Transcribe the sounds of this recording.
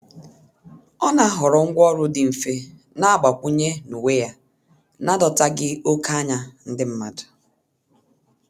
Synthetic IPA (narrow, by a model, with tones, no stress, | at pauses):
ɔ˦na˦ɦɔ˨ɾɔ˨ŋ̩˦ɡʷɔ˦ɾʊ˦dɪ˨m̩˨fe˦ | na˦a˦ɡ͡ba˨kʷu˦ɲe˦nu˨we˦ja˦ | na˦dɔ˨ta˦ɡɪ˦o˦ka˦ɲa˦n̩˦dɪ˦m̩˦ma˨dʊ̥˨